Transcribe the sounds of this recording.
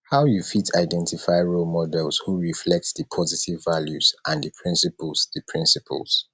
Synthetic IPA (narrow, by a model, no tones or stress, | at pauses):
haʊjufitʰaɪdɛ̃ntifaɪɹolmɔdɛlshuɹiflɛk̚tðəpʰɔzitivːaljuzʔãnðəpʰɹĩnsipəlˠzðəpʰɹĩnsipʰə̰lˠz̥